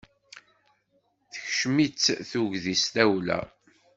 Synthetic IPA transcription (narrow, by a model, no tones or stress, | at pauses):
θə̥çʃmit͡sːθuʝðist̪æwlæ̰